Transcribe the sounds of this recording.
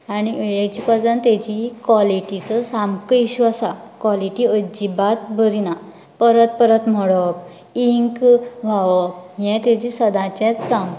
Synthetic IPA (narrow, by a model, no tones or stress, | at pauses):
aɽ̃ijet͡ɕipəd̪ãnt̪ɛd͡ʑikʋaliʈit͡səsamkəiɕuasakwaliʈiəd͡ʑibat̪̚bʱəɾina | pəɾət̪̚pəɾət̪m̤əɽəp̚ | iŋkʋʱaʋəpɦjɛ̃t̪ɛd͡ʑisəd̪ãt͡ɕɛ̃t͡skãm